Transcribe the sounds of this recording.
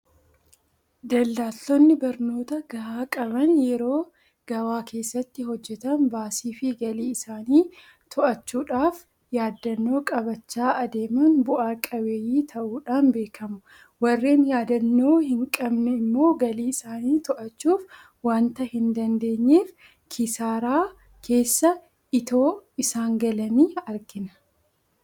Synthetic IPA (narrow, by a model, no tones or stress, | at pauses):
d̪ɐlːaːlt̪ːɔnːɪbɐɾno̞ːt̪ɐɡɐʔaːkʼɐbɐnjɛɾo̞ː | ɡ̥ɐwaːkʰe̞ːsːɐt̪ːɪɦɔd͡ʒːɛt̪ɐnbaːsiːfɪɡɐliːɪsaːniː | t̪ʰʊʔɐt͡ʃːuːᶑaːf | jaːd̪ːɐnːo̞ːkʼɐbɐt͡ʃːaːʔɐd̪e̞ːmɐnbʊʔaːkʼɐbeːjiːt̪ʰɐʔuːᶑaːnbe̞ːkʰɐmʊ | wɐrːeːnjaːd̪ɐnːo̞ːhɪŋkʼɐbnɛɪmːo̞ːɡɐliːɪsaːniːt̪ɔʔɐt͡ʃːuːf | waːnt̪ɐhɪnd̪ɐnd̪e̞ːɲːeːf | kʰɪsaːɾaː | kʰe̞ːsːɐ | ɪt̪o̞ːɪsaːŋɡɐlɐniːɐɾɡɪnɐ̥